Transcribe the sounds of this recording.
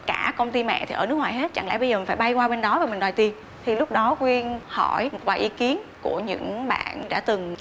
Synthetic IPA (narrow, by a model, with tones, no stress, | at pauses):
kaː˧˩kə˧wŋ͡mt̪i˧mɛ̰˧˨t̪ʰi˨˩əː˧˩nɨ˦˥əkŋwaː˨˩jɦe˦˥t̚t͡ɕa˧˩ŋlɛ̰˧˥˩ɓə˧jzːi˨˩nfaː˧˩jɓa˧jkwaː˧ɓe˧nɗɔ˨˦vaː˨˩mï˨˩ŋɗwaː˨˩t̪i˨˩ən | t̪ʰi˨˩lʊ˦˥k͡p̚ɗɔ˨˦kwi˧ənhɔ˧˩jmo˨˩t̚vaː˨˩jʔi˨˦ki˨˦ənku˧˩əɲɨ̰˧˥ŋɓa̰ː˧˨nɗa̰ː˧˥t̪ɨ˨˩ŋ